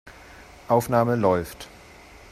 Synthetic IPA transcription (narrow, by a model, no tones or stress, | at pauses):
ʔaʊfnaːməlɔʏft